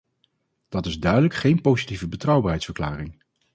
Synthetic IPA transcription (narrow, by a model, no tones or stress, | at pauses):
d̥ɑtɪzdœɥdələkχejnpowzitivəbətrɑwbaːɹɦɛjtsfəɹkla̰ːrɪŋ